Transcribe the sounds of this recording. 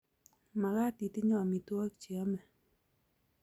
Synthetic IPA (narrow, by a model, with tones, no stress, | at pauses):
ma˨ɡa˦ti˨ti˦ɲɔ˨mi˨twɔ˦kt͡ʃi˨a˦mɛ˨